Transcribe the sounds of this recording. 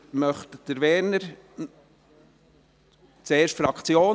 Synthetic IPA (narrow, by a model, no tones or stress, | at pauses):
mœχtd̥əɾvɛːɾnəɾ | t͡seːʃtfɾɑkt͡sjoː